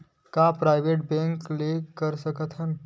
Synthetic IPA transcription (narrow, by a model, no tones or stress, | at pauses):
kapɾaːɪʋeʈ̚bɛ̃ŋklekəɾsəkət̪ʰɦən